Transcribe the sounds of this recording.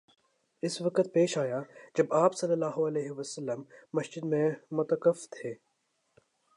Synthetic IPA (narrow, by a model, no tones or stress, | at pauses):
ɪsʋɐkət̪̚peːʃaːjad͡ʒɐbaːpsɐlːəlːaːɦoɐleːɦɪʋəsəlːəmːɐsd͡ʒɪd̪mẽmʊt̪əkəft̪ʰeː